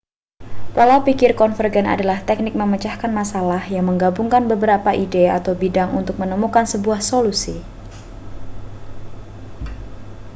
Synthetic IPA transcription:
palaupikɪrkɔnfərɡɛna̰dalaht̪ɛk̚nɪk̚məmət͡ʃahkanmasalahjaŋməŋɡabuŋkanbəbəɾapaʔideat̪awbidaŋʔṵnt̪ʊk̚mənəmukansəbuahsolusi

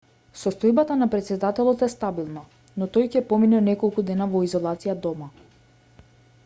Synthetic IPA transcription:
sɔst̪ɔjbat̪anapɾɛt̪sɛd̪at̪ɛlˠɔt̪ɛst̪abilˠna | nɔt̪ɔjcɛpɔminɛnɛkɔlˠkud̪ɛnavɔizɔlˠat̪sijad̪ɔma

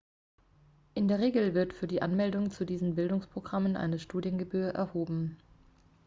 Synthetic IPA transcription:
ʔɪndeːɐʁ̞eːɡl̩vɪɐtfyːɐdiːʔanmɛldʊŋt͡sudiːzn̩bɪldʊŋspʁ̥oɡʁamənʔa̰ɪnəʃtuːdjənɡəbyːɐʔɛ̰ɐhoːbm̩

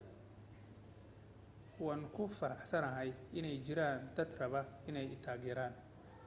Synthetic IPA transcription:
waːŋkʰʊfɐɾɑħsɐnɐɦɛjɪnɛjt͡ʃɪɾaːnd̪ɐd̪rɐβɐɪnɛjɪt̪ʰaːɡɛɾaːn

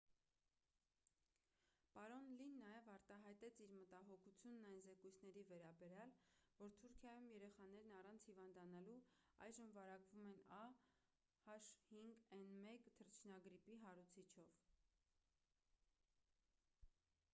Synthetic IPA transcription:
pɑɾɔnlinːɑjɛvɑɾt̪ɑɦɑjt̪ɛt͡sʰiɾmət̪ɑɦɔkʰut͡sʰjunːɑjnzɛkujt͡sʰn̪ɛɾivɛɾɑbɛɾjɑlvɔɾt̪ʰuɾkʰjɑjumjɛɾɛχɑnɛɾnɑrɑnt͡sʰhivɑnd̪ɑnɑluɑ̰jʒəmvɑɾɑkvumɛnɑ | hɑʃhiŋɡɛnmɛkt̪ʰəɾt͡ʃʰnɑɡɾipiɦɑɾut͡sʰit͡ʃʰɔv

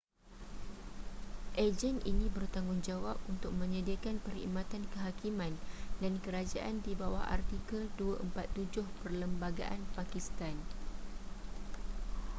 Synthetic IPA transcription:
ʔed͡ʒɛnḭnĩbərt̪aŋɡʊŋd͡ʒawap̚unt̪ʊk̚mə̃ɲədiakanpərḭmãt̪ankəɦakimãndankəɾad͡ʒaʔandibawaha̰rt̪ikəlduaʔəmpat̪ːud͡ʒʊhpərləmbaɡaʔanpakist̪an

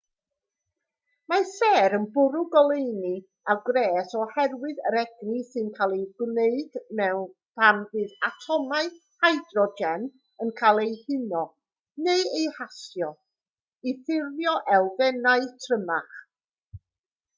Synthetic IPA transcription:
masɛːɾənbʊɾʊɡɔlˠejni | aɡɾɛːsɔhɛrwɨðəɾɛɡnisɨnkʰalˠejɡ̥wneɨd̥mɛwn | pʰamvɨːðatʰɔmaɨ | hajdrɔd͡ʒɛn | ənkʰaːlˠejhɪnɔ | nejejhasjɔ | iθɪrjɔʔɛlˠvɛnaɨtʰrəmaχ

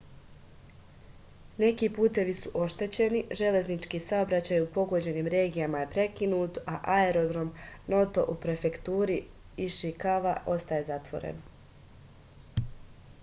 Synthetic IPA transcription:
ne̞kiːpuːt̪e̞ʋisuʔo̞ʃt̪e̞t͡ɕe̞niʒe̞le̞znit͡ʃkiːsaobɾat͡ɕaːjupo̞ɡo̞d͡ʑe̞niːmɾe̞ːɡijamaje̞pɾe̞kinuːt̪aʔaeɾo̞d̪ɾo̞mno̞t̪o̞ʔupɾe̞fe̞kt̪uːɾi | iʃikaʋaʔo̞st̪aje̞zat̪ʋo̞̰ɾḛn

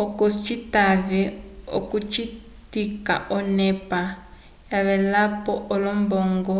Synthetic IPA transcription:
ɔkɔst͡ʃitaβɛɔ̰kut͡ʃi | tika̰ʔɔnɛpa | jaβɛlapɔʔɔlɔmbɔŋɡɔ

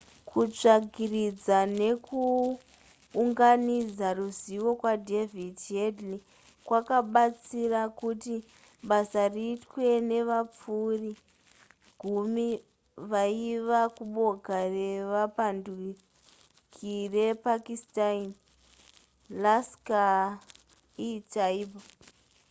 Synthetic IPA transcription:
kʰut͡ʂaɡʱirid͡zane̞ku | uŋɡanid͡zaruziʋo̞kwadʱe̞videdli | kwakaɓat͡sirakuti | ɓasariːtwe̞ne̞ʋap͡furi | ɡ̥ʱumi | ʋaiʋakuɓo̞ɡʱare̞ʋapandwi | kʰirepakistain | laska | itaiba

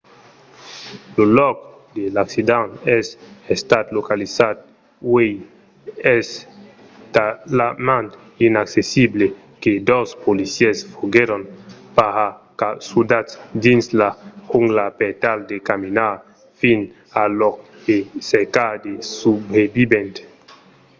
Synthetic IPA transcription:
lolɔk | d̪elaksid̪anɛsest̪at̪lokalisat̪̚ | wej | ɛs | t̪aamãnt̪ | inaksesible | ked̪ospolisjɛsfoɡeɾonpahakasud̪at̪sd̪inslahuŋɡlapet̪ald̪ekaminaɾ | fin | alok | eseɾkad̪esubebibẽnt̪

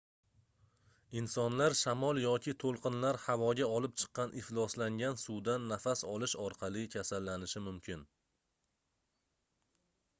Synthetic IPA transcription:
ɪnsɒnlaɾʃamɒlˠjɒkʲʰɪt̪ʰolˠqʰɨnlaɾhavɒɡʲaɒlɪp̚t͡ʃʰɨ̥qːɑnʔɪhlˠɒslaŋɡʲansud̪anːafasɒlˠɪʃɒɾqʰɑlˠɪkʲʰasalːanɪʃɪmʊmkʲʰɪn

